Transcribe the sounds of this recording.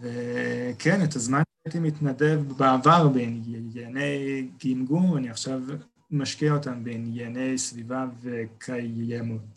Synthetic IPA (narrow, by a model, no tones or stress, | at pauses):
vɛkʰɛnɛtazmanajtimitnadɛvbaavaʁbejnjjɛnejɡimɡumaniaχʃav | maʃkiaotambejnjɛanejsvivavekʰajɛmut